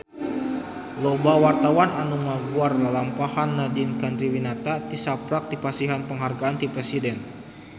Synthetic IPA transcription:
lobawart̪awananumaɡuardalampahanːadɪnkand̪ɾiwinat̪at̪isapɾak̚dipasiɦanpəŋɦarɡaːnt̪ipɾesidɛn

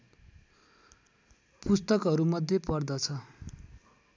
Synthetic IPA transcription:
pust̪ʌkʌɾumʌd̪ʱjepʌrd̪ʌt͡sʰʌ

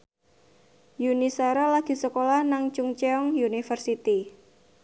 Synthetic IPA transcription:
junisaɾalaɡ̥i̤səkolahnaŋt͡ʃuŋt͡ʃeɔŋjunifərsit̪i

